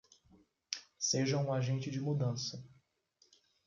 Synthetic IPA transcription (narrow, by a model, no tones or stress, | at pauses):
seʒɐũaʒẽnt͡ʃɪd͡ʒɪmud̪ɐ̃sɐ